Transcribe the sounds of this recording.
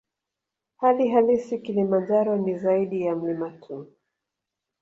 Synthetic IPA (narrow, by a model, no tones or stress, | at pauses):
haliɦalisikilimand͡ʒaɾɔnizaiɗijam̩limatʰuː